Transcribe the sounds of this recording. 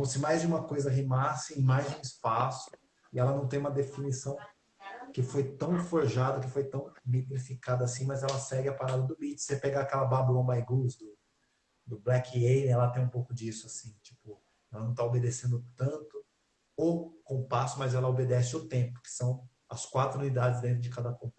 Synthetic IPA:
kõmʊsɪmajzd͡ʒɪũmɐkojzɐɦimasɪĩmajzd͡ʒɪũispasʊ̥ | ɪɛlɐnɐ̃w̃t̪ẽj̃ũmɐd̪efinisɐ̃w̃ | kɪfojt̪ɐ̃w̃foɾʒad̪ɐkɪfojt̪ɐ̃w̃mit̪ɾifikad̪ɐːsĩmɐzɛlɐsɛɡɪapaɾad̪ɐd̪ʊbit͡ʃɪ̥sepeɡaakɛlɐbabuɐ̃bajɡuzd̪ʊ | d̪ʊblɛkiejnɛlɐt̪ẽj̃ũpowkʊd͡ʒisʊasĩt͡ʃi̥pʊ | ɛlɐnɐ̃w̃t̪aobed̪esẽnd̪ʊt̪ɐ̃t̪ʊ | okõpasʊmɐzɛlɐobed̪ɛsɪʊt̪ẽpʊ̥kɪ̥sɐ̃w̃ | ɐ̰skwat̪ɾʊnũnid̪ad͡ʒɪzd̪ẽt̪ɾʊd͡ʒɪkad̪ɐkõ

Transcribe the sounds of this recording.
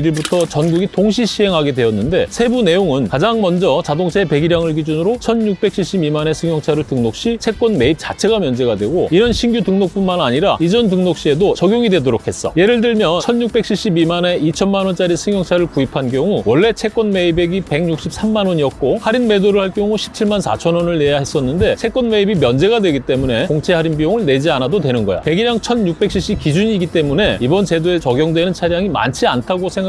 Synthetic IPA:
iɾiɭbutʰʌt͡ɕʌnɡuɡitoŋɕʰiɕʰiɦe̞ŋɦaɡe̞dwe̞ʌnːɯnde̞sʰe̞bune̞joŋɯnkad͡ʑaŋmʌnd͡ʑʌt͡ɕadoŋt͡ɕʰepe̞ɡiɾjaŋɯɭkid͡ʑunɯɾot͡ɕʰʌnjuk̚p͈e̞k̚ɕ͈ʰiɭɕ͈ibimane̞sʰɯŋjʌŋt͡ɕʰaɾɯɭtɯŋnok̚ɕ͈it͡ɕʰe̞kk͈wʌnme̞ip̚t͡ɕ͈at͡ɕʰe̞ɡamjʌnd͡ʑe̞ɡadwe̞ɡoinɯnɕʰinɡjutɯŋnok̚p͈unmanaɲiɾaid͡ʑʌntɯŋnok̚ɕ͈ie̞dot͡ɕʌɡjoŋidwe̞doɾokʰe̞s͈ʌ̰je̞ɾɯɭdɯɭmjʌnt͡ɕʰʌnjuk̚p͈e̞k̚ɕʰiɭɕ͈ibimane̞it͡ɕʰʌnmanwʌnt͡ɕ͈aɾisʰɯŋjʌŋt͡ɕʰaɾɯɭkuipʰank̬jʌŋuwʌɭːe̞t͡ɕʰe̞k͈wʌnme̞ibe̞ɡipe̞ɡŋɲuk̚ɕ͈ip̚s͈ʰamːanwʌɲiʌt̚k͈ohaɾinme̞doɾɯɭhaɭk͈jʌŋuɕʰi̥p̚t͡ɕʰiɭmansʰa̰t͡ɕʰʌnwʌnɯɭne̞jahe̞s͈ʌnːɯnde̞t͡ɕʰe̞k͈ʌnme̞ibimjʌnd͡ʑe̞ɡadwe̞ɡit͈e̞mune̞koŋt͡ɕʰe̞ɦaɾinbijoŋɯɭne̞d͡ʑianadodwe̞nɯnɡʌjo̰pe̞ɡiɾjaŋt͡ɕʰʌnɲuk̚p͈e̞k̚ɕ͈ʰiɕ͈ikid͡ʑuɲiɡit͈e̞mune̞ibʌnt͡ɕe̞doe̞t͡ɕʌɡjʌŋdwe̞nɯnt͡ɕʰaɾjaŋima̰nt͡ɕʰiantʰaɡosʰeŋɡa

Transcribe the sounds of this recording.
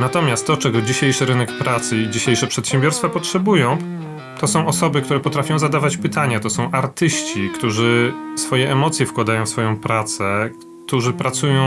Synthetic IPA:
nat̪ɔmʲjast̪ːɔt͡ʂɛɡɔd͡ʑiɕejʂɘɾɘnɛkpɾat̪sɘid͡ʑiɕejʂɛpʂɛt̪ɕɛ̃mbʲjɔɾst̪fapɔtʂɛbujɔ̃w̃ | t̪ɔsɔ̃w̃ɔsɔbɘkt̪uɾɛpɔt̪ɾafʲjɔ̃w̃zad̪avat͡ɕpɘt̪aɲat̪ɔsɔ̃w̃ʔaɾt̪ɘɕt͡ɕikt̪uʐɘfsfɔjɛʔɛmɔt̪sʲjɛfkwad̪ajɔ̃w̃fsfɔjɔ̃w̃pɾat̪sɛk | t̪uʐɘpɾat̪sujɔ̃w̃

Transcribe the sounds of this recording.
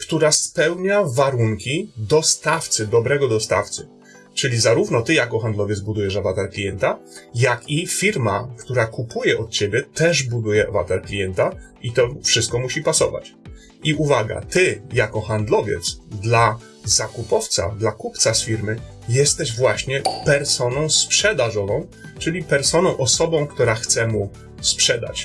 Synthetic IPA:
kt̪uɾaspɛwɲavaɾuŋkʲid̪ɔst̪aft̪sɘd̪ɔbɾɛɡɔd̪ɔst̪a̰ft̪sɘ | t͡ʂɘlʲizaɾuvnɔt̪ɘjakɔxand̪lɔvʲjɛd̪zbud̪ujɛʂavat̪ɛɾklʲijɛnt̪ajakifʲiɾma̰kt̪uɾakupujɛʔɔt̪̚t͡ɕɛbʲɛt̪ɛʐbud̪ujɛava̰t̪ɛɾklʲijɛnt̪a | it̪ɔfʂɨst̪̚kɔmuɕipasɔ̰va̰t͡ɕ | iuvaɡa̰t̪ɘjakɔxand̪lɔvʲjɛ̰t̪sd̪la | zakupɔft̪sa̰d̪lakupt̪sasfʲiɾmɘ | jɛst̪ɛʑvwaɕɲɛpɛɾsɔnɔ̃w̃spʂɛd̪aʐɔvɔ̃w̃ | t͡ʂɘlʲipɛɾsɔnɔ̃w̃ʔɔsɔbɔ̃w̃kt̪uɾaxt̪sɛmu | spʂɛd̪a̰t͡ɕ

